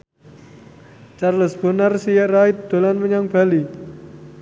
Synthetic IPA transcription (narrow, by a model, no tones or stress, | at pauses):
t͡ʃarləsb̥ənarsijaraɪt̪̚d̪̥o̤lanməɲaŋb̥a̤li